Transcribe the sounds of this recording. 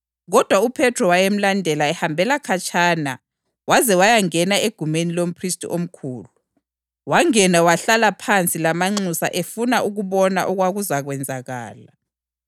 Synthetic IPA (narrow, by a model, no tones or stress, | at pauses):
ɣɔd̥ʱwaupʰɛtʰrɔwajem̩landʱɛlaɛhambʱɛlakʰat͡ʃʼana̰ | wazɛwajaŋɛnaeɡ̥ʱumenilom̩pʰristʼḭʔom̩kʰuːlu | waŋɛnawaɬalapʰant͡sʼilamaŋ͡ǀusa̰ʔefunaʔuɣuβɔnaʔɔɣwaɣuzaɣwɛnd͡zʱaɣa̰ːla